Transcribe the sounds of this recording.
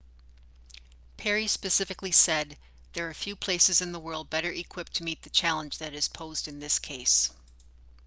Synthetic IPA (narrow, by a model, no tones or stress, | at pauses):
pʰɛɹispɨsɪfɨklisɛd̪̚ | ðə˞ːfjʉpʰl̥eɪsɨzɨ̃nðəwɜ˞lˠd̚bɛɾə˞ʔɨkʰw̥ɪp̚tʰɨmit̪̚ðɨt͡ʃʰælˠə̃nd͡ʒðɨɾɨz̥pʰoʊzdɨ̃nðɪskʰeɪs